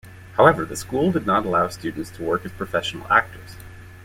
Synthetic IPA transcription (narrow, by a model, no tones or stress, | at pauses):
haʊɛvə˞ðɨskulˠdɨdⁿnəɾəlaʊstʉdⁿn̩tstʰəwɜ˞kɨz̥pʰɹ̥ɨfɛʃn̩l̩ˠæ̰k̚tʰə̰˞z̥